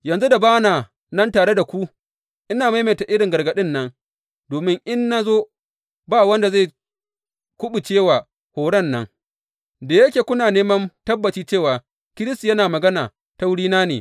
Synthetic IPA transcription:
jɐ˨nzu˦da˨baː˦naː˨ | nɐ˦ntaː˨ɽe˦da˨kʷu˦ | ʔɪ˦naː˨ma˦jme˨ta˨ʔɪ˦ɽɪ˨ŋɡɐ˨ɾɡɐ˨ɗɪ˦nːɐ˦ŋ | doː˨mɪ˦ŋʔɪ˦nːa˦zoː˦ | baː˦wɐ˦nda˨za˦˨ | kʷʊ˦ɓu˨t͡ʃeː˦˨waː˨ | hoː˨ɽɐ˦˨nːɐ˦ŋ | da˨jɐ˦kʲeː˨kʷʊ˦naː˨neː˦mɐ˦ntɐ˦bːɐ˨t͡ʃiː˦t͡ʃeː˦˨waː˨ | kʲɪ˦ɾɪ˦sti˨jɐ˦naː˨mɐ˨ɡɐ˦naː˨ | ta˦wɽiː˦naː˦nḛ˨

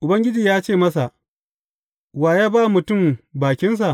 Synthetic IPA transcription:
ʔʊ˨bɐ˦ŋɡʲɪ˦d͡ʒiː˨jaː˦t͡ʃeː˦˨mɐ˦sa˨ʔ | waː˨jaː˦baː˦mʊ˨tʊ˦˨mbaː˨kʲɪ˦ns̬a˨ʔ

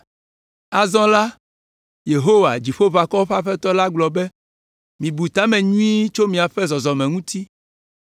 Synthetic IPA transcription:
a˨zɔ̃˦la˦ | je˨ɦo˦wa̰˨d͡ʒi˨ɸo˦va˨kɔ˦ɸa˦ɸɛ˦t̪ɔ˦la˦ɡ͡blɔ˨bɛ˦ | mĩ˨bu˨t̪a˦mɛ̃˨ɲũ˦i˦t͡ʃo˦mĩ˨a˨ɸɛ˦zɔ˨zɔ˨mɛ̃˨ŋũ˦t̪i˦

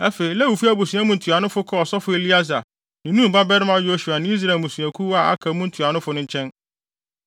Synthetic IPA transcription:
ɛ˦fe˨i˨læ˦wu˨fi˦a˦bu˨sĩ˨˦ã˦mũ˦n̩˨tʰu˨a˨nʊ̃˦fʊ˦kʰɔ˦ɔ˨sɔ˦fʊ˦e˦li˦a˦za˨ | nɪ̃˨nũ˦m˨ba˦bɛ˦ɾɪ̃˦m˦a˦jo˦ɕu˨a˨nɪ̃˦i˦s̬ɾa˨e˨mũ˨sũ˨æ˨kʰu˦wa˦˨a̰˦kʰa˨˦mũ˦n̩˦tʰu˨a˨nʊ̃˦fʊ˦nʊ̃˦ɲ˦t͡ɕʰɛ̃˦n

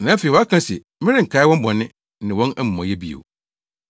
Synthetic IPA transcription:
nãː˨˦fe˨wɔ˨˦a˦kʰã˦sɛ̰˨ | mɪ̃˦ɾɪ̃˦ŋ̩˨kʰa˦ɪ˦wɔ̃˦m˦bɔ̃˨nɪ̃˦ | nɪ̃˨wɔ̃˦næ˦mũ˨mã˨jɛ˦bi˦˨ḛ˨

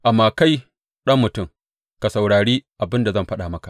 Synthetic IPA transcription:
ʔa˨mːaː˨ka˦j | ɗɐ˦mːʊ˨tʊ˦˨ŋ | ka˨sɐ˨wɽaː˨ɽiː˦ʔa˨bɪ˦nda˨zɐ˦mɸɐ˦ɗaː˨mɐ˦ka˨

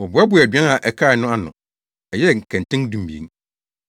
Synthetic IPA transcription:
wɔ˨bʊ˨˦ɛ˦bʊ˨æ˨dɛ̃˦na˨ʔɛ˨kʰa˦˨ɪ˨nʊ̃˦a˦nʊ̰̃˨ | ɛ˨jɛ˦˨ŋ̩˨kʰæ̃˨n˨tʰɪ̃˦ŋdũ˦m˨bi˨ḛ˨˦

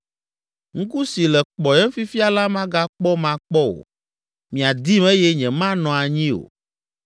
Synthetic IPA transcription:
ŋ̩˦ku˦si˨lɛ˨k͡pɔ˨jɛ˦fi˦fi˦a˨la˦mã˦ɡa˦k͡pɔ˦mã˦k͡pɔ˦o̰˨ | mĩ˨a˨d̪i˦mɛ˦jɛ˦ɲɛ̃˨mã˦nɔ̃˨a˨ɲĩ˦o̰˨

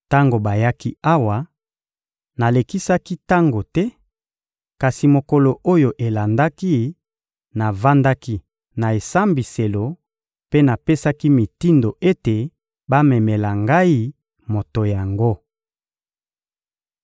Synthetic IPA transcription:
ta˦ŋɡo˨ba˨ja˦ki˦a˦wa˨ | na˨le˨ki˦sa˦ki˦ta˦ŋɡo˨tɛ˦ | ka˨si˨mo˨ko˨lo˨o˦jo˨ʔe˨la˨nda˦ki˦ | na˨va˦nda˦ki˦ | na˨e˨sa˦mbi˨se˨lo˨ | pe˦na˨pe˦sa˦ki˦mi˨ti˦ndo˨ʔe˦te˨ | ba˦mɛ˨me˨la˨ŋɡa˦i˦ | mo˨to˨ja˨ŋɡo˦

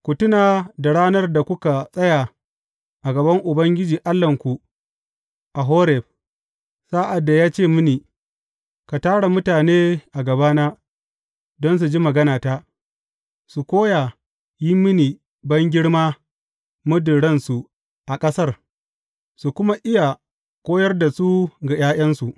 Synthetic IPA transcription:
kʷʊ˨tʊ˦naː˨da˨ɽaː˦nɐ˦rda˨kʷʊ˦ka˨sʼɐ˦ja˨ | ʔa˨ɡɐ˨bɐ˦ŋʔʊ˨bɐ˦ŋɡʲɪ˦d͡ʒiː˨ʔa˦lːɐ˨ŋkʷu˨ | ʔa˨ɦoː˦ɾɛ˨ɸ̚ | saː˦ʔa˨dːa˨jaː˦t͡ʃeː˦˨mʊ˦niː˨ | ka˨taː˦ɽa˨mʊ˦taː˨neː˦ʔa˨ɡɐ˨baː˦naː˦ | dɔ˦ns̬u˨d͡ʒi˦mɐ˨ɡɐ˦naː˨taː˦ | su˨kʷoː˦ja˨ | jɪ˦mːɪ˦niː˨ | bɐ˦ŋɡʲɪ˦ɽmaː˦ | mʊ˦dɪ˨ɽɐ˦nsu˨ | ʔa˨kʼɐ˦sɐ˦r | su˨kʷʊ˦ma˦ʔɪ˦ja˨ | kʷʼoː˦jɐ˦rda˨su˦ɡa˨j̰aː˦j̰ɐ˦nsu˨ʔ

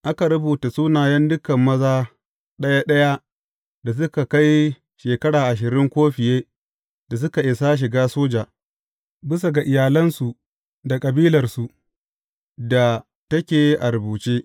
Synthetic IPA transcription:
ʔa˦ka˨ɾʊ˦buː˨ta˨suː˦naː˨jɐ˦ndʊ˦kɐ˨mːɐ˦zaː˦ | ɗɐ˦ja˦ɗɐ˦ja˦ | da˨s̬ʊ˦ka˨ka˦j | ʃeː˨kɐ˦ɽaː˨ʔa˨ʃ̬ɪ˨ɾɪ˦ŋkʷoː˦ɸɪ˨jeː˦ | da˨s̬ʊ˦ka˨ʔɪ˨saː˦ʃ̬ɪ˨ɡaː˦soː˦d͡ʒaː˨ | bɪ˦s̬a˨ɡa˨ʔɪ˨jaː˨lɐ˦nsu˨ | da˨kʼɐ˨biː˦lɐ˨rsu˨ | da˨ | tɐ˦kʲeː˨ʔa˨ɾʊ˨buː˨t͡ʃeː˦

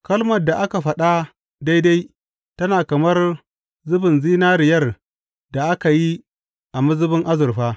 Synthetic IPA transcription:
kɐ˦lmɐ˨dːa˨ʔa˦ka˨ɸɐ˦ɗa˦ | da˦jda˦j | tɐ˦naː˨kɐ˨mɐ˦r | zʊ˦bɪ˨nziː˦naː˦ɾɪ˨jɐ˦˨r | da˨ʔa˦ka˨ji˦ | ʔa˨mʊ˦zʊ˦bɪ˦ŋʔa˦zʊ˨rɸaː˦

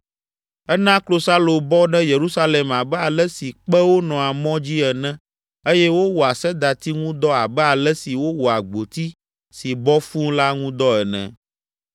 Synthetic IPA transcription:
ɛ˦nã˦klo˨sa˦lo˨bɔ˦ɖɛ̃˦je˨ɾu˦sa˦le˨ma˨bɛ˦a˨lɛ˦si˨k͡pɛ˦wo˦nɔ̃˨a˨mɔ̃˦d͡ʑi˦ɛ˨nɛ̃˦ | e˦jɛ˦wo˦wɔ˨a˨sɛ˦d̪a˨t̪i˦ŋũ˦d̪ɔ˦a˨bɛ˦a˨lɛ˦si˨wo˦wo˨a˨ɡ͡bo˨t̪i˦ | si˨bɔ˦fũ˦la˦ŋũ˦d̪ɔ˦ɛ˨nɛ̰̃˨

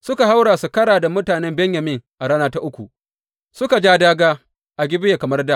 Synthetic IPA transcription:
sʊ˦ka˨ɦa˦wɽaː˨su˨kɐ˦ɽaː˨da˨mʊ˦taː˨nɛ˦mbɛ˦ɲjɐ˨mɪ˦ŋʔa˨ɽa˦naː˦ta˦ʔʊ˦kʷṵ˨ | sʊ˦ka˨d͡ʒaː˦daː˦ɡaː˦ | ʔa˨ɡʲɪ˦bɪ˦jeː˨kɐ˨mɐ˦rda˦

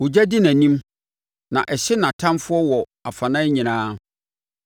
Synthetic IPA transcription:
wʊ˨d͡ʑæ˦dɪ˦næ̃˨nĩ˦m | nã̰˨ʔɛ˨ɕɪ˦nã˨tʰã˦mfʊ˦ɔ˦wɔ˨ | a˨fa˨nã˦ɲĩ˨nãː˦

